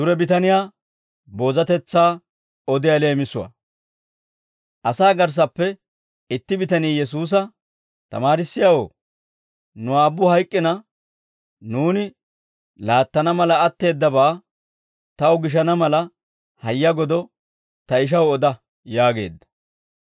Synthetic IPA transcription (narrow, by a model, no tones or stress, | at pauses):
d̪ʊɾɛbɪt̪ɐnɪjaː | boːzɐt̪ɛt͡sːaː | ɔd̪ɪjɐle̞ːmɪsʊwa̰ː | ʔɐsaːɡɐɾs̬ɐpːɛ | ɪt̪ːɪbɪt̪ɐniːjɛs̬uːs̬ɐ | t̪ɐ̰maːɾɪsːɪjɐwo̰ː | nʊaːbːʊhɐjkʼːɪnɐ | nuːnɪ | laːt̪ːɐnɐmɐlɐːt̪ːe̞ːd̪ːɐbaː | t̪ɐwɡɪʃ̬ɐnɐmɐlɐ | hɐjːɐɡɔd̪ɔ | t̪ɐɪʃ̬ɐwɔd̪ɐ | jaːɡe̞̰ːd̪ːɐ̥